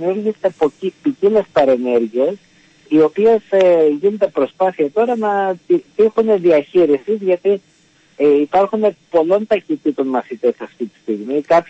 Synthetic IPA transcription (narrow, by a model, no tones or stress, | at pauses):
miuɾʝist̪epoipicilespɐɾe̞ne̞ɾʝies | io̞pie̞sʝinet̪e̞pɾo̞spɐθiɐt̪o̞ɾɐnɐit̪ixune̞ðiɐçiɾisizʝɐt̪i | ipɐɾxune̞po̞lo̞nt̪ɐçit̪it̪o̞nmɐθit̪e̞sɐft̪it̪i̥st̪iɣmikɐp